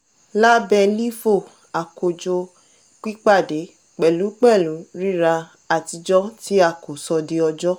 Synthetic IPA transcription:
la˦bɛ˧li˦fo˦˨ | a˨ko˨d͡ʒo˧ | k͡pi˦k͡pa˦˨de˨˦ | k͡pɛ˨lu˨˦k͡pɛ˦˨lu˨˦ɾi˦ɾa˧ | a˨ti˧d͡ʒɔ˦ti˦a˦˨ko˨sɔ˧de˧ɔ˧d͡ʒɔ˦

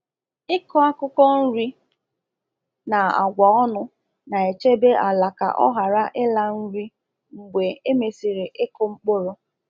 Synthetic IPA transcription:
ɪ˦kɔ˦a˦kʊ˦kɔ˦n̩˦ɾi˦ | na˨a̰˨ɡʷa˨ɔ˦nʊ˦ | na˨e˨t͡ʃe˦be˦ʔa˨la˨ka̰˨ʔɔ̰˦ɦa˨ɾa˦ʔɪ˦la˦n̩˦ɾi˦ | ŋ͡m̩˨ɡ͡be˨e˦me˨si˨ɾɪ˨ʔɪ˦kʊ˦ŋ͡m̩˦k͡pʊ˦ɾʊ˦

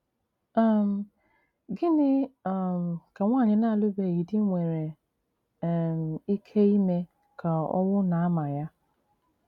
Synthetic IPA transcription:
a˦m̩˨ | ɡɪ˦nɪ˦˨m˨ka˨ŋʷaː˦˨ɲɪ˨na˦a˨lʊ˦be˨ɣi˨dɪ˦ŋʷe˨ɾe˨ | m̩˨i˦kʰe˦i˦me˦ | kʰa˨ɔ̰˦wʊ˦na˨a˦ma˨ja˦

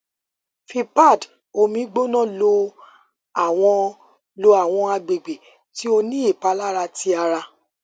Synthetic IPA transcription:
fi˧pa˦˨d | o˧mĩ˧˦ɡ͡bo˦nã˦˨lo˧ | a˨w̃ɔ̃˧ | lo˧a˨w̃ɔ̃˧a˧ɡ͡be˨ɡ͡be˨ | ti˨˦o˧nĩ˦i˦˨pa˨˦la˦ɾa˧ti˧˦a˧ɾa˧

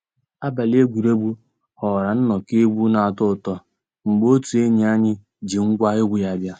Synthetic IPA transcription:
a˦ba˨le˦ɡʷu˨ɾe˦bu˦ | hɔ˨ɾa˨n̩˦nɔ˨ke˦ɡ͡bu˦na˨a˨tʊ˦˨tɔ˦ | ŋ͡m̩˨ɡ͡bo˦tu˨e˦ɲi˨a˦ɲɪ˦ | d͡ʒi˨ŋ̩˦ɡʷa˦ɪ˦ɡʷi˨a˨bja˦

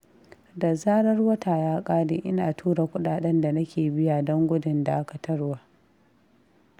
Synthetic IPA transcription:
da˨zaː˦ɽɐ˦rwɐ˦taː˨jaː˦kʼaː˦deː˨ʔɪ˦naː˨tʰuː˦ɽa˨kʷʊ˦ɗaː˨ɗɛ˦nda˨na˦kʲeː˨bɪ˦ja˨dɔ˦ŋɡʷʊ˦dɪ˨nda˨ʔa˦ka˨tʰɐ˦ɽwaː˨

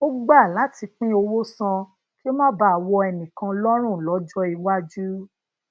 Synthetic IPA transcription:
o˦ɡ͡ba˦˨la˨˦ti˧k͡pĩ˦o˧wo˦sã˧ | ki˦o˦mã˦ba˦˨wɔ˧ɛ˧˨nĩ˨kã˧lɔ˦ɾ̃ũ˦˨lɔ˨˦d͡ʒɔ˦i˧wa˦d͡ʒu˦

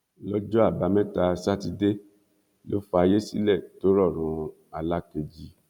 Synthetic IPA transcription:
lɔ˦d͡ʒɔ˦a˦˨ba˨˦mɛ̃˦ta˧sa˦ti˧de˦ | lo˦fa˧je˦si˦lɛ˦˨to˦ɾɔ˦˨ɾ̃ũ˧ | a˨la˦ke˧d͡ʒi˦

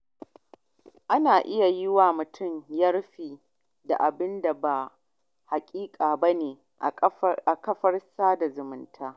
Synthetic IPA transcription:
ʔa˦naː˨ʔɪ˦ja˨jɪ˦waː˨mʊ˨tʰʊ˦˨ɲjɐ˦rɸiː˨ | da̰˨ʔa˨bɪ˦nda˨ba˨ | ha˨kʲʼiː˦kʼaː˨ba˦neː˨ | ʔʔa˨kɐ˦ɸɐ˦rsaː˦da˨zʊ˨mʊ˨˦ntʰaː˦

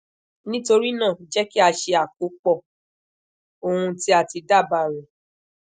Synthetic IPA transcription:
nĩ˦to˧ɾi˦nãː˦˨d͡ʒɛ˦ki˦a˧ʃe˧a˨k̚o˨˦k͡pɔ˦˨ | o˧hũ˧ti˦a˦˨ti˧da˦˨ba˧˨ɾ̃ũ˨

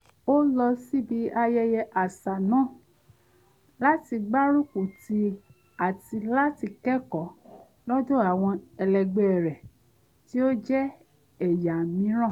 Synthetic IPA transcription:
o˦lɔ˧si˦bi˨˦a˧jɛ˧jɛ˧ʔa˨sa˨nãː˦˨ | la˦ti˧ɡ͡ba˦ɾũ˦ku˨ti˧ | a˨ti˧la˦ti˧kɛ˦kɔ˨ | lɔ˦dõ˦a˨w̃ɔ̃˧ɛ˧lɛ˧ɡ͡be˧˦ɛ˨ɾɛ˨ | ti˦o˦d͡ʒɛ˦ | ɛ˦˨ja˨mĩ˨˦ɾ̃ã˦˨

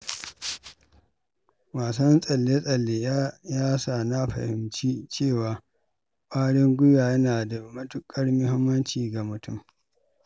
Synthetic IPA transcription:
waː˨sɐ˦nsʼɐ˨lːe˦sʼɐ˨lːe˨jjaː˦saː˨na˦ɸɐ̰˨hɪ˨mt͡ʃiː˦t͡ʃeː˦˨waː˨ | kʷʼaː˦ɽɪ˦ŋɡʷʊ˦jaː˨jɐ˦naː˨da˨mɐ˦tʊ˦kʼɐ˦rmʊ˦hɪ˦mːɐ˦nt͡ʃiː˨ɡa˨mʊ˨tʰʊ˦˨m

